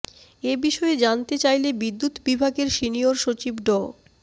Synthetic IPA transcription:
ebiʃɔed͡ʑant̪et͡ɕajlebid̪ːut̪bibʱaɡeɾʃinijoɾʃot͡ɕibɖɔ

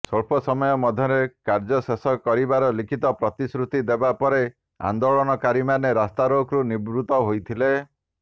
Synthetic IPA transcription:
sɔɭpʰɔsɔmɔjɔmɔd̪ʱjɔɾekaɾd͡ʒɔsesɔkɔɾibaɾɔlikʰit̪ɔpɾɔt̪isɾut̪id̪ebapɔɾe | a̰nd̪oɭɔnɔkaɾimaneɾast̪aɾokɾunibɾut̪ɔɦojt̪ʰile

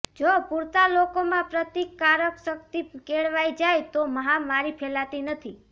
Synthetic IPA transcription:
d͡ʒopuɾt̪alokomãpɾət̪jekːaɾəksək̚t̪ikeɭʋajd͡ʒajt̪oməɦamaɾipʰɛlat̪inət̪ʰi

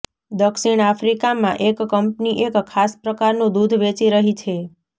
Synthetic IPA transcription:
d̪əksiɳafɾikamã̰ʔekːəmpniʔekkʰːaspɾəkaɾnũd̪ud̪ʱʋet͡ʃiɾəɦit͡ʃʰe

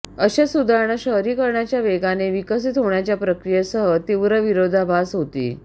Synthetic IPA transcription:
əɕasud̪ʱaɾɳəɕəɦɾiːkəɾɳjat͡ɕjaʋeɡaneʋikəs̬it̪ɦoɳjat͡ɕjapɾəkɾijəsəɦət̪iʋɾəʋiɾod̪ʱabʱasɦot̪ḭː

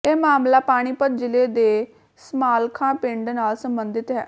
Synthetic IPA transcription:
eːmaːmlaːpaːɽ̃iːpəd̪̚d͡ʒɪleːd̪eː | smaːlkʰãːpɪ̃ɳɖnaːlsəmbənd̪ɪt̪ɦɛ̰ː

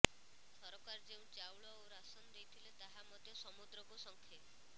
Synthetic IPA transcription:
sɔɾɔkaɾɔd͡ʒeũt͡ʃawɭɔowɾasɔnɔd̪ejt̪ʰilet̪aɦamɔd̪ʱjɔsɔmud̪ɾɔkusɔŋkʰe

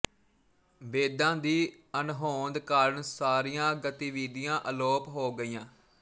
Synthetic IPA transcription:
ʋeːd̪ãːd̪iː | ənɦoːnd̪kaːɾəɳsaːɾiːjãːɡət̪iːʋiːd̪ijãːʔəloːpɦoːɡəiːjãː

